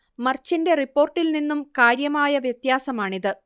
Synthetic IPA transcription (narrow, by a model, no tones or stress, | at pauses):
mɐrt͡ɕːinde̞ripːo̞ːrʈːilninːumkaːɾjɐmaːjɐʋjɐt̪jaːsɐmaːɳiðɨ